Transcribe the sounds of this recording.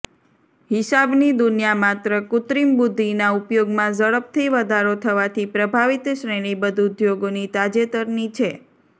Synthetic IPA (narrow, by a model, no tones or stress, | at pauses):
ɦɪsabnid̪ʊnjamat̪ɾəkʊt̪ɾimbud̪ʱːinaupjoɡmãzəɭəp̚t̪ʰiʋəd̪ʱaɾot̪ʰəʋat̪ʰipɾəbʱaʋit̪ʃɾeɽ̃ibəd̪ʱud̪joɡonit̪ad͡ʒet̪əɾnit͡ʃʰe